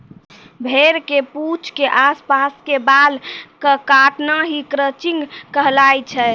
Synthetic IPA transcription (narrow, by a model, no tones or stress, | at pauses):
bʱeɾkeput͡ʃʰkeʔaspaskebalkəkaʈnaɦikɾət͡ʃiŋɡkəɦlajt͡ʃʰɛ